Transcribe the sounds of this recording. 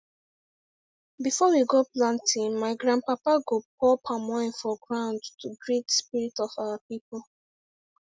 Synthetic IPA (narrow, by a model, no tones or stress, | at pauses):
bifɔwiɡoplãntĩnmaɪɡɹãn̚papaɡop̚ɔpʰamɔĩnfɔɡɹãʊ̃ndtuɡɹitspiɹitɔfawapipolˠ